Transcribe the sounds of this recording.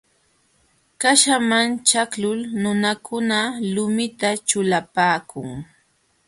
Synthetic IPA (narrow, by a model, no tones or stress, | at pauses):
kaʃamant͡ʃaklʊlnʊnakʰʊnalʊmɪt̪at͡ʃʊlapaːkʰʊŋ